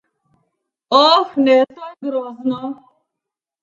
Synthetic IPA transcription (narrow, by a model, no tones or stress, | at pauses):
ɔfnesɔɡiɾɔznɔ